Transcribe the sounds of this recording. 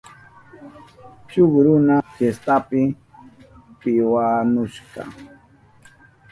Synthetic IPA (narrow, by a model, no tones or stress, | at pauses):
t͡ʃʊχɾʊnafjest̪apɪ | pɪwanʊʃɢɑ̰